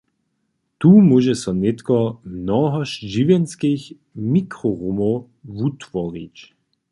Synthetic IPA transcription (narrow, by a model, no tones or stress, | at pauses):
t̪uːmuʒɛsɔnɛt̪kɔmnɔɦɔʃʒiʋjɛnskix | mikʁɔʁumow | vut̪vɔʁḭt͡ɕ